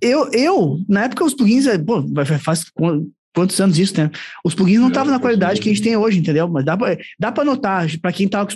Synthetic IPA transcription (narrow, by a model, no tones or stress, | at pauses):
ewewnɐɛpʊ̥kɐʊspuɡĩʊzɛpovafafaskɐ̃ | kwɐ̃nt̪ʊzɐ̃nʊzisʊ̥nɛ̃ʊspuɡĩʊznɐ̃w̃t̪avɐ̃nɐkwalid̪ad͡ʒɪkɪɐʒẽt͡ʃɪt̪ẽj̃oʒɪĩnt̪ẽnd̪ewmɐzd̪apɾɐd̪apɾɐnot̪aʒpɾɐkẽj̃t̪avɐkʊs